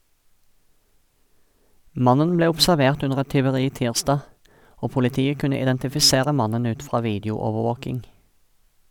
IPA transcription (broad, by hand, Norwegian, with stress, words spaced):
ˈmɑnən ˈbleː ʊbsæʁˈʋeːʁt ˈʉnəʁ ˈɛt tʏʋəˈʁiː ˈtiːʁˌsdɑː ˈoː pʊlɪˈtiːə ˈkʉnə ɪdɛntɪfɪˈseːʁə ˈmɑnən ˈʉːt ˈfʁɑː ˈʋiːdjʊɔʋəˌʋoːkɪŋ